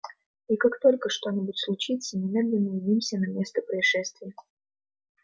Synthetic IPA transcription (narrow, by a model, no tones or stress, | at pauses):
ikakt̪o̞lʲkəʂt̪o̞nʲɪbʊtʲslˠʊt͡ɕit̪sənʲɪmʲed̪lʲɪnːəɪdʲimsʲənɐmʲe̞st̪əpɾəɪʂɛst̪vʲɪjə